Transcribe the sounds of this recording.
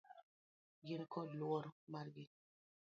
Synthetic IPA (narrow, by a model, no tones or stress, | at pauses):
ɡɪnkʰɔdlwɔɾmaɾɡɪ